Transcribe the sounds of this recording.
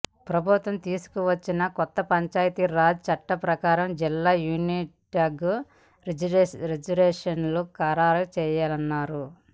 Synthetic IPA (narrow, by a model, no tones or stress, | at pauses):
pɾɐbʱut̪ʋɐmt̪iːsu̥kuʋɐt͡ʃːinɐkɔt̪ːɐpɐɲt͡ʃaːjt̪iɾaːd͡ʒt͡ʃɐʈːɐpɾɐkaːɾɐmd͡ʒilːaːjuːniʈɐɡ | ɾid͡ʒɐɾɛːʂɐnlukaːɾaːɾɐt͡ʃɛːjaːlɐnːaːɾu